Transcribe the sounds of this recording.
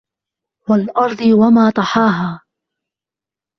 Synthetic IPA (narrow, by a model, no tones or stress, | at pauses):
walʔɑɾˤd̪ˤɨwamaːt̪ˤɑħɑːɦaː